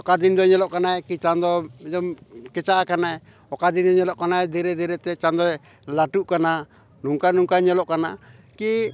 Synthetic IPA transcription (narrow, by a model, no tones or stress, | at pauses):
ɔkad̪ind̪ɔɲɛlɔʔkanaɛkit͡ʃand̪ɔɛd̪ɔmkɛt͡ʃaʔakanaɛ | ɔkad̪ind̪ɔɲɛlɔʔkanaɛd̪iɾɛd̪ɛɾɛt̪ɛt͡ʃand̪ɔɛ | laʈuʔkana | nuŋkanuŋkaɲɛlɔʔkana | ki